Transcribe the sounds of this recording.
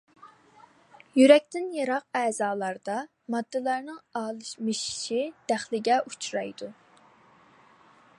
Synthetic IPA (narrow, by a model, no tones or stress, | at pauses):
jyɾɛk̚ʲt̪ɪnjɑɾɑq̚ɛːz̥ɑːlˠɑɾd̪ɑ | mɑd̪ːɨlˠɑɾnɨŋɑːlˠɨʃmɨʃi̥ʃid̪̥æχlɪɡʲɛʔut͡ʃʰɾɑjd̪u